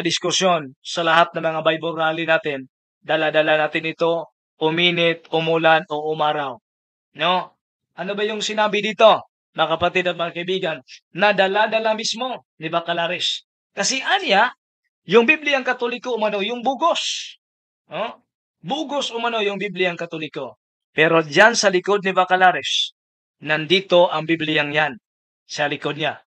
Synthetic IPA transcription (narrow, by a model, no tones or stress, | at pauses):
ɐd̪ɪskʊsjo̞nsɐlɐɦat̪̚nɐŋmɐŋabɐjboɾaːlɪnaːt̪ɪn | d̪ɐlad̪ɐlanaːt̪ɪnɪt̪o̞ | ʊmiːnɪt̪̚ʊmulano̞ʔʊmaːɾaw | no | ʔɐnobɐjʊŋsɪnaːbɪd̪iːt̪o̞ | nɐkɐpɐt̪ɪd̪ɐt̪̚mɐŋakɐʔɪbiːɡɐnːɐd̪ɐlad̪ɐlamismo̞nɪbɐkɐlaɾɪs | kɐsɛʔanja | jʊŋbiblɪjaŋkɐt̪olɪkoʊmɐno̞jʊŋbuːɡos | o | buːɡosʊmɐno̞jʊŋbiblɪjaŋkɐt̪olɪko | pɛɾo̞d͡ʒansɐlɪko̞d̪̚nɪvakɐlaɾɛs | nɐnd̪iːt̪o̞ʔɐŋbiblɪjaŋjan | sɐlɪkod̪ɲa